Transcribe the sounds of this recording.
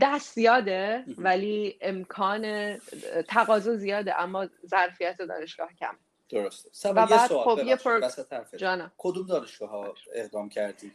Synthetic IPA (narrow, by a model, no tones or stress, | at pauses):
d̪æst̪zijɒːd̪evæliːemkʰɒːnet̪ʰæɣɒːzozijɒːd̪ḛʔæmːɒːzæɾfijæt̪ʰe̞d̪ɒ̰ːne̞ʃɡ̥ɒːhcʰæ̰me | d̪̥oɾost̪e̥sævæbædxobjepʰoɾæsæt̪ʰæɾfed͡ʒɒːnɒkʰod̪umd̪ɒːneʃɡ̥ɒːɦɒeʁd̪ɒːmcʰæɾd̪iː